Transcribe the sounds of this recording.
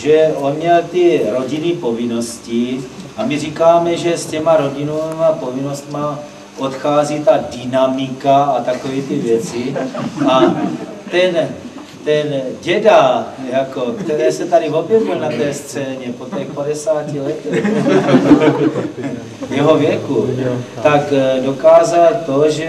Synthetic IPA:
ʒɛʔo̞nmɲɛlt̪iɾo̞ɟinɪpo̞vɪno̞scɪʔamirikaːmɛʒɛscɛmaɾoɟinomapo̞vino̞st̪ma | ʔo̞t̪xaːzit̪adɪnamɪkaat̪akoviːt̪ivjɛt͡sɪa | t̪ɛn | t̪ɛnɟɛdajako̞kt̪ɛɾɛːsɛt̪adivo̞bjɛvɪlnat̪ɛːst͡sɛːɲɛpo̞t̪ɛxpadɛsaːcilɛt̪ɛx | jɛɦo̞vjɛkut̪akdo̞kaːzalt̪o̞ʒɛ

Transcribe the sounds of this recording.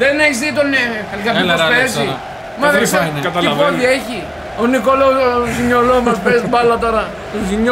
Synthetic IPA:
ðeneçizðit̪oneɐnikɐpioesi | mɐðeskɐt̪ɐlfoðieçi | onikoloziɲolomɐspesbɐlɐt̪o̞ɾɐ | t̪oziɲo

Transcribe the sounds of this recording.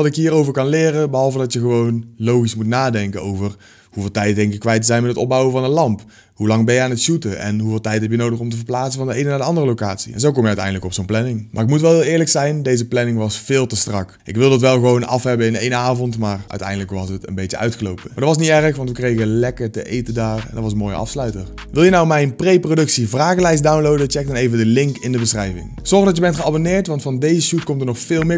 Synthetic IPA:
tɪkɦiːrowvəɹkɑnlɪːrəbəɦɑlˠvədɑtjəɣəʋownlowɣismutnaːdɛŋkəowvər | huvɪːlˠtɛjtdɛŋkɪkːʋɛjt̬əzɛjnmɛtətɔ̰b̚bɑwəvɑnəlɑmp | ɦulɑŋbɛjəaːnətʃutəʔɛ̰nɦuvɪːlˠtɛjtɦɛp̬jənowdəxɔmtəvəɹplaːtsənvɑndəejnənaːdəɑndərəlowkaːtsi̥̰ɛ̰nzowkɔmjəœɥtɛ̰jndələkɔpsownplɛnɪŋmʔaːrɪkmutʋɛlˠɦɪːlˠɪːɹləksɛjndejzəplɛnɪŋʋɑsfɪːlˠtəstrɑkʔɪ̰kʋɪlˠdəɑtʋɛlˠɣəʋownɑ̰fɦɛbəɪnḛjnaːvɔntmaːrʔœ̰ɥtɛ̰jndələkʋɑsətə̰nbejtəœ̰ɥtxəlo̰wpəmaːdɑtʋɑs̬nitɛrəxʋɑntʋəkrejɣəlɛkəɹtə̰ʔejtədaːɹɛ̰ndɑtʋɑsənmoːjə̰ɑ̰fslœɥtəɹ | ʋɪlˠjənawmɛjnprejprodɵksivraːɣəlɛjs̬dawnlowdət͡ʃɛk̚dɑnejvədəlɪŋkɪndəbəsrɛjvɪ̰ŋz̥ɔɹɣdɑtjəbɛntχəabonɪːɹtʋɑntfɑndejzəʃut̚kɔmtəɹnɔxfɪːlˠmɪːɹ

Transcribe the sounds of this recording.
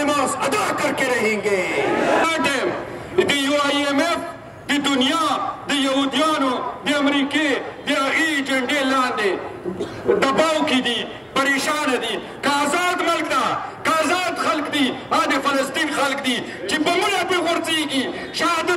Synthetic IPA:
maːsɐd̪aːkɐɾkeɾɐɦĩŋɡeaʈem | d̪ijuaiemef | d̪id̪ʊnjad̪ijɐɦud̪ijaːnod̪iɐmɾiːked̪iɐɣid͡ʒɐɳɖelãːnd̪e | d̪ɐbaːwkid̪i | pɐɾeːʃaːnad̪i | kaːzaːd̪mɐlkd̪aːkaːzaːd̪xɐlkd̪iad̪efɐlɐst̪iːnxɐlk̚d̪i | t͡ʃebɐmulapeɣoɾt͡seːɡi | ʃaːd̪

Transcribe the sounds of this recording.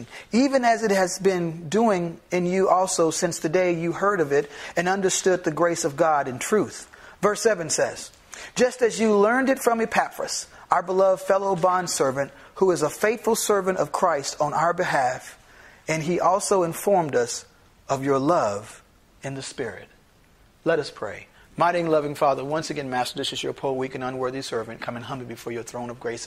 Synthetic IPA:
ivɨ̃nɨzɨt̚hɨzbɪ̃nduɪ̃ŋɨ̃njɨʔɔlˠsoʊsɪ̃nsðɨdeɪjɨhɜ˞ɾʌvɪɾɨ̃nʌ̃ndə˞stʊd̪̚ðɨɡɹeɪsʌvɡɑɾɨ̃ntʰɹ̥ʉθvɜ˞sɛvɨ̃nsɛz̥ | d͡ʒʌstɨzjɨlɜ̃˞ndɨtfɹʌ̃mɨpʰæfɹɨ̰s | ʔaʊə˞bəlʌvd̥fɛlˠoʊbɑ̃nd̥sɜ˞vɨ̃nʔt̚huɨzəfeɪθfl̩ˠsɜ˞vɨ̃ntʌv̥kʰɹ̥aɪstʰn̩ʔa̰ʊə˞bɨɦæf | ɨ̃niʔɔlˠsoʊɨ̃ɱfɔɹmdʌs | ʌvjə˞lʌv | ɨ̃nðɨspɪɹɪ̰t̚ | lɛɾʌspʰɹ̥ḛɪ | maɪɾiɪ̃ŋlʌvɪ̃ŋfɑðə˞wʌ̃nsɨɡɛ̃nmæstə˞ðɪsɨzjə˞pʰʊlˠwikɨ̃nʌ̃nwɜ˞ðisɜ˞vɨ̃nkʰʌ̃mɨ̃nɦʌ̃mbibɨfɔɹjə˞θɹõʊ̃ñʌvɡɹeɪs

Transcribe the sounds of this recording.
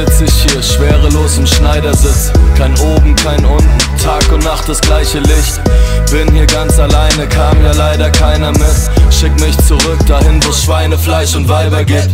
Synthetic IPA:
lt͡sɪçhiːɐʃv̥eːʁəloːsɪmʃnaɪdɐzɪt͡skʰaɪnʔoːbm̩kʰaɪnʔʊntn̩tʰaːkʊntnaχt̚d̥asɡ̥laɪçəlɪçt | b̥ɪnhiːɐɡant͡salaɪnəkʰaːmjaːlaɪdɐkʰaɪnɐmɪtʃɪkmɪçt͡suʁʏk̚d̥ahɪnvoːsʃv̥aɪnəflaɪʃʊntv̥aɪbɐɡeːt

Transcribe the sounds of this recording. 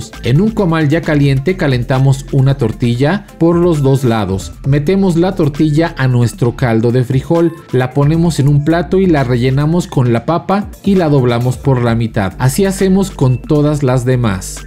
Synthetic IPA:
se̞nuŋko̞malʝakalje̞nt̪e̞kale̞nt̪amo̞sunat̪o̞ɾt̪iʝa | po̞ɾlo̞zðo̞zlaðo̞sme̞t̪e̞mo̞zlat̪o̞ɾt̪iʝaʔanwe̞st̪ɾo̞kald̪o̞ðe̞fɾixo̞lː | apo̞ne̞mo̞se̞nũmplat̪o̞ilare̞ʝe̞namo̞sko̞nlapapa | ilaðo̞βlamo̞spo̞ɾlamit̪a̰ðasiase̞mo̞sko̞nt̪o̞ðazlazðe̞ma̰s

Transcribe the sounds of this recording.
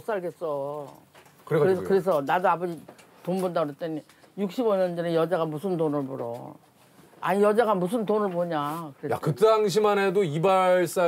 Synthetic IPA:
os͈aɭɡes͈ʌ | kɯɾeeskɯɾe̞s̬ʰʌnadoabʌd͡ʑi | tombundaɾot͈en | juk̚ɕ͈iboɲʌnd͡ʑʌnejʌd͡ʑaɡamusʰɯndonɯɭboɾʌ̰ | a̰ɲijʌd͡ʑaɡamusʰɯntonɯɭboɲakɯɾeja̰kɯt͈aŋɕ̬ʰimanedoibaɭs͈a

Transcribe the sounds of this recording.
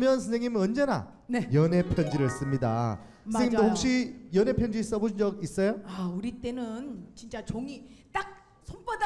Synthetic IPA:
mjʌnsʰʌnsʰeŋɲimɯnwʌnd͡ʑe̞na̰ | nejʌne̞pʰjʌnd͡ʑiɾɯɭs͈ɯmɲida̰ | ʌnseŋɲidohok̚ɕ͈ijʌne̞pʰjʌnd͡ʑis͈ʌboɕʰind͡ʑʌɡis͈ʌjoauɾit͈e̞nɯnt͡ɕint͡ɕ͈at͡ɕoŋit͈ak̚ | sʰompʌd

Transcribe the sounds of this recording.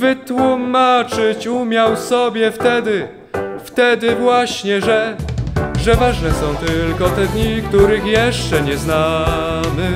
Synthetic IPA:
vɘt̪wumat͡ʂɘt͡ɕumʲjawsɔbʲjɛft̪ɛd̪ɘ | ft̪ɛd̪ɘvwaɕɲɛʐɛ | ʐɛvaʐnɛsɔ̃w̃t̪ɘlkɔt̪ɛd̪ɲik̚t̪uɾɘxjɛʂt͡ʂɛɲɛznamɘ

